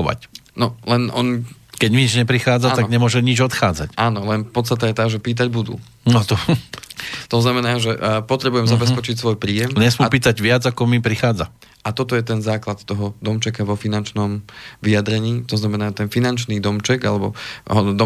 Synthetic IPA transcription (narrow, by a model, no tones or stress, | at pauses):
ʋa̰cnɔlɛnɔ̰n | kɛɟmiɲid͡ʒɲɛpɾixaːd͡zaaɡɲɛmʊɔʒɛɲid͡ʒɔt̪xaːd͡za̰caːnɔlɛnpɔt̪st̪at̪ɛjɛt̪aːʒɛpiːt̪̬aɟbud̪ṵː | nɔt̪ɔ | t̪ɔznamɛnaːʒɛpɔt̪ɾɛbujɛmzabɛspɛt͡ʃicsʋɔjpɾiːjɛmɲɛsmupiːt̪aɟʋɪad͡zakɔmipɾixaːd͡za | at̪ɔt̪ɔjɛt̪ɛnzaːklat̪t̪ɔɦɔd̪ɔmt͡ʃɛkaʋɔfinant͡ʃnɔmʋiad̪ɾɛɲiːt̪ɔznamɛnaːt̪ɛnfinant͡ʃniːd̪ɔmt͡ʃɛɡa̰lɛbɔɦɔd̪ɔ